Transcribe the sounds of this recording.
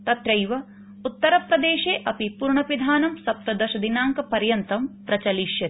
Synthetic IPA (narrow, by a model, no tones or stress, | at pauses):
t̪ɐt̪ɾɐjʋɐ | ut̪ːɐɾɐpɾɐd̪eːʃeːʔɐpipuːɾɳɐʋid̪ʱaːnɐmsɐp̚t̪ɾɐd̪ɐʃɐd̪inaːŋkɐpɐɾjɐnt̪ɐmpɾɐt͡ʃɐliʃjɐi